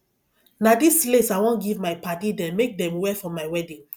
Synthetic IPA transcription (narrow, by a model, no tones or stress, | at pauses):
nadislesajwɔ̃nɡivmaɪpatidɛ̃mek̚dɛ̃mwɛfɔ̃mːaɪwɛdĩŋ